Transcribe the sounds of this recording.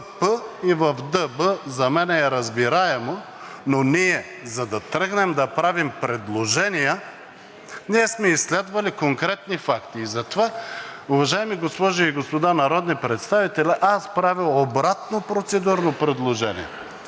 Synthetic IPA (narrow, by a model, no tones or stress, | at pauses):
pəivɐfd̪əbəzɐmɛnɛːɾɐzbiɾaɛmo | noniɛ | zɐd̪ɐt̪ɾɤɡnɛmd̪ɐpɾavimpɾɛd̪lˠoʒɛnijə | niɛsmɛislɛd̪vɐlikoŋkɾɛt̪nifakt̪iːzɐt̪ovaʊvɐʒaɛmiɡospɔʒɐiɡospod̪anɐɾɔd̪nipɾɛt̪st̪avit̪ɛlɛʔaspɾavilˠobɾat̪nopɾot̪sɛd̪uɾnopɾɛd̪lˠoʒɛnḭjɛ